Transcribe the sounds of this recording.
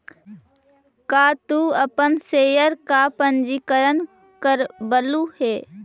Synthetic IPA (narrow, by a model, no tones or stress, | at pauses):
kaːt̪uəpənseːjəɾkapənd͡ʒikəɾən | kəɾbəluheː